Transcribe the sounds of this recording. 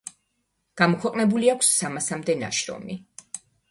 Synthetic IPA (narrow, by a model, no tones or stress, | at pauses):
ɡ̥amɔkʰwɛqʼnɛbuliakʷʰsːamasamd̪ɛna̰ʃɾɔ̰mi